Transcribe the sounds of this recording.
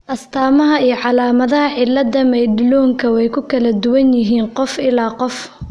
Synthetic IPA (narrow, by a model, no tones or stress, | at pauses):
ʔɐst̪ʰaːmɐɦɐijɞʕɑlaːmɐðɐɦɐʕɪlːɐd̪ɐmɛjɖɪlɔːŋkʰɐwɛjkʰʊkʰɐlɐd̪ʊwɐnjɪɦiːnqɔfɪlaːqɔf